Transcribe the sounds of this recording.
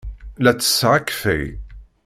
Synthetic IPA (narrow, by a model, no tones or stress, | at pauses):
læt͡sːə̥sːʁakfḛj